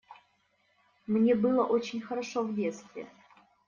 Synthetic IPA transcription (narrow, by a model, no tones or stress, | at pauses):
mnʲebɨlˠəʔot͡ɕɪnʲxəɾɐʂovdʲet̪st̪vʲɪ̰